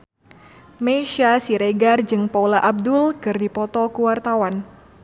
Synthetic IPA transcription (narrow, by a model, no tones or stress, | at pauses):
meʃasiɾeɡard͡ʒɨŋpaulaʔab̚dʊlkɨrdipɔt̪ɔkuwart̪awan